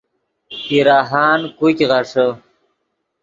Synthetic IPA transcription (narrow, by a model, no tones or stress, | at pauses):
kiɾaːɦaːnkukɣaʂə